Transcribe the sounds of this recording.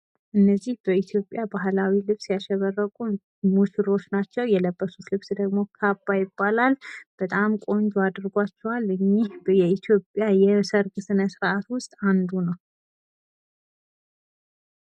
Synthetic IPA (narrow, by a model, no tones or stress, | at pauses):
ʔɨnːəzːihb̥əit̪ʰjo̞pʼːjabaɦlawilɨβsjaʃɛβərːəkʼu | mut͡ʃiɾo̞t͡ʃnat͡ʃːɛwjɛləbːəsut̪lɨβsd̪əɡmo̞kʰabːajɪbːalalb̥ət̪ʼamkʼo̞nd͡ʒuad̪ɾɡʷat͡ʃːɛwalɨɲːihjɛit̪ʰjo̞pʼjajɛsəɾɡɨsɨnəsɨɾʔat̪wʊst̪ʼand̪unəw